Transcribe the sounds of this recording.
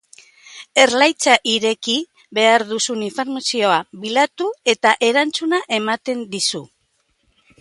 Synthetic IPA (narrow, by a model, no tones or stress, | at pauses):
e̞ɾlajt͡saʔiɾe̞ki | βe̞aɾðusuniɱfeɾmasio̞aβilat̪ue̞t̪aʔe̞ɾant͡sunaʔe̞mat̪e̞nd̪isu